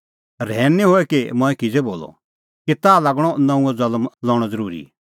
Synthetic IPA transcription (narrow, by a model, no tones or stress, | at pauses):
ɾɛːnːiɦoːɛkimɔ̃ɛ̃kɪd͡zeboːlɔ̰ | kit̪aːlaɡɽ̃ɔnɐ̃ũɔd͡zɐlmlɔ̃ːɽ̃ɔ̃d͡zɐɾuːɾḭ